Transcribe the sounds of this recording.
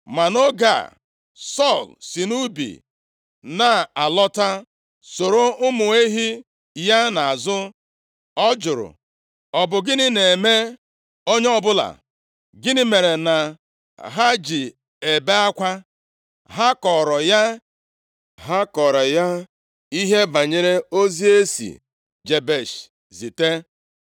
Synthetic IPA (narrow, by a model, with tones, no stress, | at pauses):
ma˨no˦ɡa̰˨ | sɔ˦˨lsi˨nu˦bḭ˨ | na˨a˨lɔ˦ta˦ | so˨ɾo˦ʊ˦mʊ˨e˦ɦi˦ | ja˦na˨a˨zʊ˦ | ɔ˦d͡ʒʊ˨ɾʊ̰˨ | ɔ˨bʊ˨ɡɪ˦nɪ˦ne˨me˦ | o˦ɲe˦ɔ˦bʊ˦la̰˨ | ɡɪ˦nɪ˦me˨ɾe˨na˨ | ɦa˦d͡ʒi˨ | e˨be˦a˦kʷa˦ | ɦa˦kɔ˨ɾɔ˨ja˦ | ɦa˦kɔ˨ɾɔ˨ja˦ | i˦ɦe˦ba˨ɲe˦ɾe˦o˦zi˦e˦sḭ˨ | d͡ʒe˨be˦˨ʃ | zi˨te˦